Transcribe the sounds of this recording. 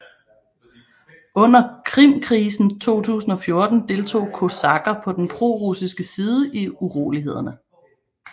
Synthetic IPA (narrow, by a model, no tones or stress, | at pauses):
ɔ̽n̰ɐkʰʁim̰kʰʁiːsn̩t͡sʰo̝̰ːt͡sʰṵːsn̩ɒ̽fjo̝ɐd̥n̩d̥e̝lt͡sʰo̝̰ːkʰo̝sɑ̈ɡ̥ɐpʰɒ̽d̥enpʰʁo̝ʁusisɡ̥əsiːð̞ˠəʔiuʁo̝̰ːliɦe̝ð̞̰ˠɐnə